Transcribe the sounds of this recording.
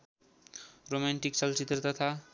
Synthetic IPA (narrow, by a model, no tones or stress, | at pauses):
romaɳʈikt͡sʌlt͡sit̪rʌt̪ʌt̪ʰa